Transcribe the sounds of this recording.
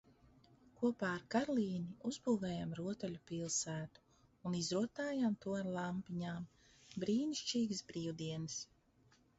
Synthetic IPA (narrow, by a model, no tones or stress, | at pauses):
kuɔpaːɾkaɾlˠiːniuzbuːvɛːjamɾuɔt̪aʎʲupilˠsæːt̪u̥ː | nizɾuɔt̪aːjamt̪ulˠampiɲaːm | bɾiːniʃt͡ʃiːɡsbɾiːwd̪iɛnɨs